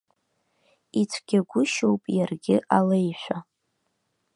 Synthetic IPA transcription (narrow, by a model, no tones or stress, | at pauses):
it͡sʷʰɡ̥ʲaɡʷʊʃowpʼjarɡʲɪʔalejħʷᶣa